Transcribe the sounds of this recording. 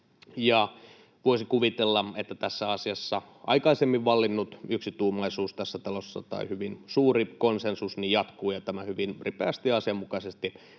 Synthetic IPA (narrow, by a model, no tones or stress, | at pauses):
jɑ | ʋoisikuʋit̪elːɑet̪ːæt̪æsːæɑsiɑsːɑ | ʔɑ̰ikɑisemːiʋʋɑlːinːut̪yksit̪uːmɑisuːst̪æsːæt̪ɑlosːɑ̰t̪ɑ̰ihyʋinsuːrikonsensusnijjɑt̪kuːjɑt̪æmæhyʋinripeæst̪iɑsiɑmːukɑsest̪i